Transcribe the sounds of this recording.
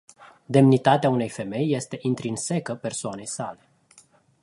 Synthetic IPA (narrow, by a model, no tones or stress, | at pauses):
d̪e̞mnit̪at̪eaune̞jfe̞me̞jːe̞st̪e̞ʔint̪ɾinse̞kəpe̞rsoane̞jsale̞